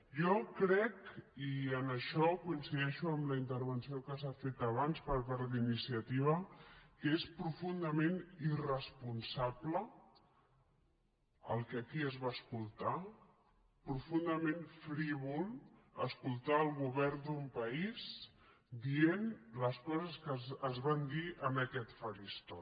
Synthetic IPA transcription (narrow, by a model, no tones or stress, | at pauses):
jɔkɾɛkiənəʃɔkuinsiðɛʃuəmləint̪əɾβənsiokəsafet̪əβ̞anspəɾpaɾðinisiət̪iβ̞əkespɾufund̪əmẽnirəspunsablə | əlˠkəkiəzβaəskulˠt̪a | pɾufund̪əmẽnfɾiβulˠəskulˠt̪aəlˠɣuβɛɾnd̪umpəis | d̪ienləskɔzəskəəzβand̪iʔəməkɛt̪fəɾist̪ɔ